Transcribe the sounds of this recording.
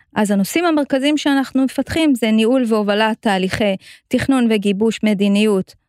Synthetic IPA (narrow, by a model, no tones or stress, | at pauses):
ʔazano̞simhame̞ʁkazimʃeanaχnume̞fatχimzeniulveo̞valatːaːliχe̞jtiχnunveɡibuʃme̞dinijut